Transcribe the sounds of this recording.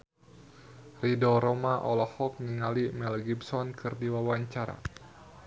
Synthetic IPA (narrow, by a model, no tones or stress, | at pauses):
ridɔɾɔmaʔɔlɔhɔk̚niŋalimɛlɡibsɔnkɨrdiwawaɲt͡ʃaɾa̰